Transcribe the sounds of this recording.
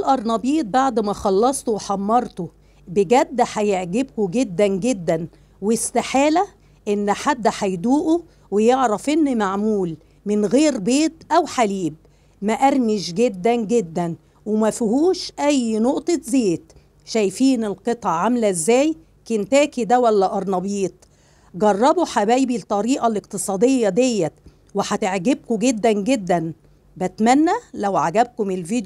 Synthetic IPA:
lʔɑɾˤnɑbiːt̪̚baʕd̪mæxɑlːɑsˤt̪oweħɑmːɑɾˤt̪o | beɡæd̪ːħæjeʕɡebkoɡed̪ːænɡed̪ːæn | west̪aħeːlæ | ʔenːħad̪ːæħæjd̪uːʔo | wejeʕɾˤɑfʔenːmaʕmuːl | mɪnɣeːɾbeːt̪ʔæwħaliːb̚ | mæʔæɾmɪʃɡed̪ːænɡed̪ːæn | wemæfihuːʃʔæjnoʔt̪ˤezeːt̪ | ʃæjfiːnelqet̪ˤɑʕʕamlæzːæːj | kent̪æːkid̪æwælːæʔɑɾˤnɑbiːt̪̚ˤ | ɡɑrˤːɑboħabæjbilt̪ˤːɑɾiːʔɑleqt̪esˤɑːd̪ejːɑd̪ejːæ | weħæt̪eʕɡeb̚koɡed̪ːænɡed̪ːæn | bæt̪mænːælæwʕaɡæb̚komelviːd̪

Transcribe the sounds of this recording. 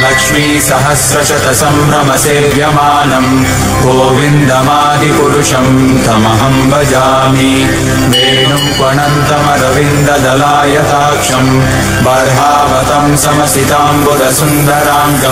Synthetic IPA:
lɐkʂmiːsɐɦɐsɾɐt͡ʃɐt̪ɐsɐmɾɐmɐseːʋjɐmaːnɐm | ɡoːʋind̪ɐmaːd̪ʱipuɾuʂɐm | t̪ɐmɐɦɐmbɐd͡ʒaːmi | ʋeːɳumkwɐɳɐnt̪ɐmɐɾɐʋind̪ɐd̪ɐlaːjɐt̪aːkʂɐm | bɐɾɦaːʋɐt̪ɐmsɐmɐsit̪aːmbod̪ɐsund̪ɐɾaːmɡɐ

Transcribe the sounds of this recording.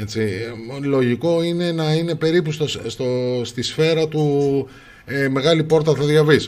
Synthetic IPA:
et͡silo̞ʝiko̞ine̞nɐine̞pe̞ɾipust̪osst̪ost̪isfe̞ɾɐt̪u | eme̞ɣɐlipo̞ɾt̪ɐθɐðʝɐvis

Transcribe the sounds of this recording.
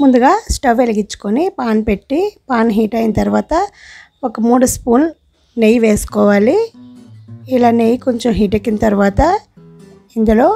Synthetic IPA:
mund̪uɡaːsʈɐʋʋeliɡit͡ʃːu̥konipaːnpe̞ʈːipaːnɦiːʈɐjinɐt̪ɐɾuʋaːt̪ɐ | okɐmuːɽɐspuːn | nejʋeːsu̥kɔːʋaːli | ilaːnejkoɲt͡ʃomɦiːʈɐkːinɐt̪ɐɾuʋaːt̪ɐ | ind̪ɐlo̞ː

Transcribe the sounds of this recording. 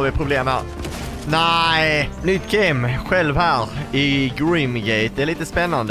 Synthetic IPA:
vɪpʰɾʊbleːm | næɪnʏt̪ɡɛɪmɧɛlvhæːɾɪɡɾimɡɛɪt̪̚d̪ɛɾɭiːt̪əspɛnːand̪ə

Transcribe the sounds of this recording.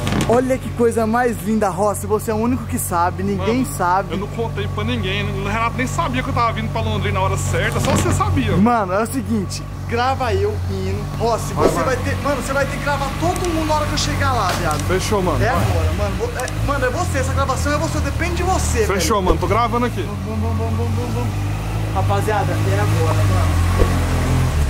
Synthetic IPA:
ɔʎɐkɪkojzɐmajzlĩnd̪ɐɦɔsɪvoseɛʊũnikʊkɪsabɪnĩɡɡẽj̃sabɪewnɐ̃w̃kõnt̪ejpɾɐnĩɡẽj̃ñnɐ̃w̃ɦenat̪ʊnẽj̃sabiɐkewt̪avɐvĩnd̪ʊpɾɐlõnd̪ɾĩnaɔɾɐsɛɾt̪ɐsɔsesabiɐmɐ̃nʊɛʊsɪɡĩt͡ʃɪ̥ | ɡɾavaewmĩnʊɔsɪmosevajt̪emɐ̃nʊsevajt̪ekɪɡɾavaɾt̪od̪ʊumũd̪aɔɾɐkewʃeɡalaviaɡʊfeʃomɐ̃nɛaɡɔɾɐmɐ̃nʊvoɛ | mɐ̃nʊɛvoseɛsɐɡɾavasɐ̃w̃ɛvosed̪epẽnd̪ɪd͡ʒɪvosefeʃomɐ̃nʊt̪oɡɾavɐ̃nd̪ɐkimɐbɐ̃ɐ̃bɐ̃bɐ̃bɐ̃bɐ̃ | hapaziad̪ɐɪɛaɡɔɾɐmɐ̃nʊ̃

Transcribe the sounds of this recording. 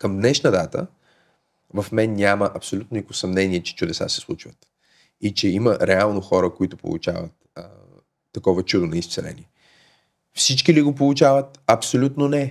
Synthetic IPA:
kəmd̪nɛʃnəd̪at̪ə̰ | vɐfmɛnːʲaməʔɐpsolut̪nonikʊsɐmnɛniɛt͡ʃɛ̥t͡ʃʊd̪ɛsa̰sɛ̥slˠut͡ʃvət̪ | it͡ʃɛiməɾɛalˠnoxɔɾəkoit̪ʊpo̰lˠṵt͡ʃa̰və̰t̪ | əː | ɐkɔvɐt͡ʃud̪ʊnɐist̪sɛlɛ̰niɛ | fsit͡ʃkiliɡopolˠut͡ʃavət̪̚ɐpsolʲut̪nonɛ

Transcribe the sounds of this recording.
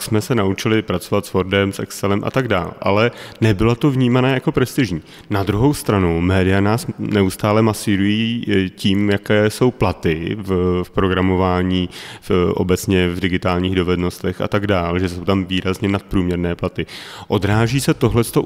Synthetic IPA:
ksmɛsɛnaut͡ʃɪlɪpɾat͡sovat̪svoɾdɛmsʔɛ̰ksɛlɛmʔa̰t̪aɡda̰ːlʔa̰lɛnɛbɪlot̪o̞vɲiːmanɛːjako̞pɾɛst̪ɪʒɲiː | nad̪ɾuɦo̞wst̪ɾanumɛːdɪjanaːsnɛust̪aːlɛmasiːɾujiːciːmjakɛːso̞wplat̪ɪffpɾo̞ɡɾamo̞vaːɲiːʔo̞̰bɛt͡sɲɛvdɪɡɪt̪aːlɲiːɣdo̞vɛdno̞st̪ɛxa̰t̪aɡdaːlʒɛsowt̪amviːɾazɲɛnat̪̚pɾuːmɲɛɾnɛːplat̪ɪʔo̞dɾaːʒiːsɛt̪oɦlɛst̪o

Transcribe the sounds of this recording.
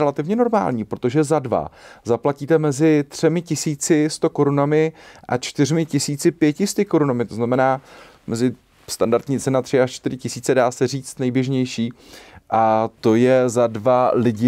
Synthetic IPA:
ɛlat̪ɪvɲɛno̞ɾma̰ːlɲiːpɾot̪o̞ʒɛzadva̰zaplaciːt̪ɛmɛzɪt̪r̝̥ɛmɪcɪsiːt͡sɪst̪o̞ko̞ɾunamɪʔa̰t͡ʃt̪ɪr̝mɪcɪsiːt͡sɪpjɛcɪst̪ɪko̞ɾunamɪt̪o̞znamɛnaː | mɛzɪ | st̪andaɾt̪ɲiːt͡sɛnat̪r̥ɪaʃt͡ʃt̪ɪɾɪcɪsiːt͡sɛdaːsɛr̝iːt͡st̪nɛjbjɛʒɲɛjʃiː | ʔat̪o̞jɛzadvalɪɟɪ

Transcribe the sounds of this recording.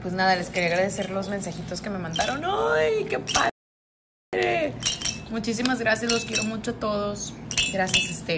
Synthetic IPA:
pwe̞znaðale̞skeɾeaɣɾaðe̞se̞ɾlo̞zme̞nsaxit̪o̞ske̞me̞mãnd̪aɾo̞nojke̞pa | ɾe | mut͡ʃis̬imazɣɾasjazloskje̞ɾo̞mut͡ʃoat̪o̞ð̞o̞sɡɾasjasest̪e

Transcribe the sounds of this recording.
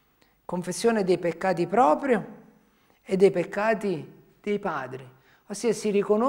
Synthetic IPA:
koɱfesːjoːned̪ejpekːaːt̪̬ipɾɔːpɾjo | ed̪ːejpekːaːt̪i | d̪̥ejpaːd̪ɾi | osːiːasirikono

